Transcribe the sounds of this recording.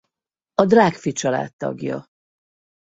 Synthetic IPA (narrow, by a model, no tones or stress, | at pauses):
ɒd̪raːkfit͡ʃɒla̰ːt̪ːɒ̰ɡjɒ̰